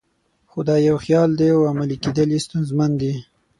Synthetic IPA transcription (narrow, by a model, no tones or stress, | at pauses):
xod̪ɑjawxjɑld̪eawamaliked̪əlist̪unzmand̪i